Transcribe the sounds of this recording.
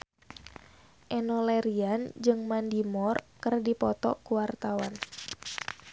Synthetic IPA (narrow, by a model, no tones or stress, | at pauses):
ʔɛnolɛɾiand͡ʒɨŋmandimɔrkɨrdipɔt̪ɔ̰kuwart̪awan